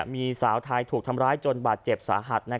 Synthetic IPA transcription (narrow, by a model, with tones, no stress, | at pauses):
miː˧saː˩˦wt̪ʰa˧jt̪ʰuː˨˩k̚t̪ʰa˧mɾaː˦˥jt͡ɕo˧nbaː˨˩t̪̚t͡ɕe˨˩p̚sa̰ː˩˦ɦa˨˩t̪̚na˦˥